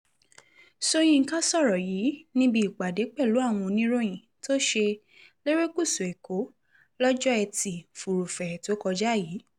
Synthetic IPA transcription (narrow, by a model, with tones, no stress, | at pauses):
so˧j̃ĩ˧˨ka˦sɔ˦˨ɾɔ˨ji˨˦nĩ˧bi˧i˨ɡ͡ba˨de˨˦k͡pɛ˦˨lu˨˦a˦˨w̃ɔ̃˧nĩ˦ɾo˦j̃ĩ˨ | to˦ʃe˧ | le˦ɾe˦ku˦˨su˨e˨ko˨˦ | lɔ˦d͡ʒɔ˦ɛ˧ti˨fu˨ɾu˨fɛ˨to˨˦kɔ˧d͡ʒa˦˨jiː˨˦